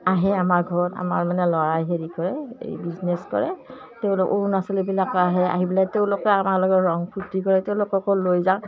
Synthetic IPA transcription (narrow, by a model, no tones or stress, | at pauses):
aɦɛamaɹɡʱɔɹɔta̰ma̰ɹmanɛlɔɹajɦeɹikɔɹɛḛjbizneskɔ̰ɹɛ̰ | teʊ̃lokoɹunasɔlebilakaɦɛa̰ɦibilajteʊ̃lokɔamaɹlɔɡɔɹɔŋpʰutikɔɹɛteʊ̃lokɔkɔlojzaʊ̃